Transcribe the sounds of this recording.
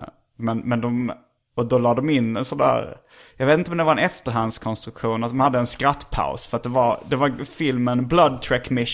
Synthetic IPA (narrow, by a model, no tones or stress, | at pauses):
mɛnmɛnd̪ɔm | ɔd̪ɔlɑːd̪ɔmɪnːɛnsɔnd̪æ̰ːɾ | jɑɡveːt̪ɪnt̪əɔmd̪ɛvaɾɛnɛft̪əɾɦand̪skʰɔnst̪ɾɵkɧuːnat̪̚d̪ɔmhad̪ːəɛnskɾat̪ːpʰa̰ʊsfœɾat̪̚d̪ɛvaɾd̪ɛvaɾfɪlmənblad̪̚t̪ʰɾɛkːmɪʃ